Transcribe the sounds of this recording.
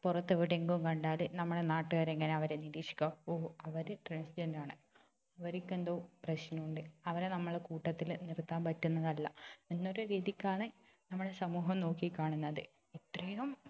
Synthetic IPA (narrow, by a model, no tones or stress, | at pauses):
purɐt̪ːeʋiɽeŋɡumkɐɳɖaːlɨnɐmːuɽenaːʈːɨɣɐɾe̞ŋːɐne̞ɐʋɐɾeniɾiːʂi̥kʲːaːoːɐʋɐɾɨʈreːnsd͡ʑɐndaːɳɨ | ɐʋɐɾikʲːend̪oːprɐɕnɐuɳɖɨɐʋɐɾenɐmːɐɭkuːʈːɐt̪ːilnirt̪ːaːnpɐtːunːɐðɐlːɐenːo̞ɾuɾiːðikʲːaːɳe | nɐmːuɽesɐmuːɦɐmno̞ːkːikʲːaːɳunːɐðɨ | it̪ːrɐjum